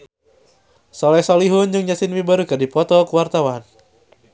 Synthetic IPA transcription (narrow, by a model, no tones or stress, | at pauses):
sɔlɛsɔliɦʊnd͡ʒɨŋd͡ʒasinwibaɾukɨrdipɔt̪ɔkuwart̪awan